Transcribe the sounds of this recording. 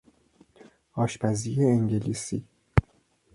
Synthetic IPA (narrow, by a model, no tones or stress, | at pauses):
ɒːʃpʰæzijeːŋɟe̞liːsḭː